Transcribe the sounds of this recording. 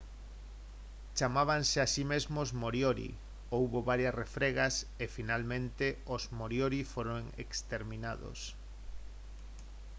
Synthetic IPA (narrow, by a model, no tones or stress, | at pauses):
t͡ʃamaβanseasimezmozmoɾjoɾḭ | owβoβaɾjɐsrefɾeɣasefinalmẽnt̪eozmoɾjoɾifoɾoŋḛkst̪eɾmĩnaðo̰s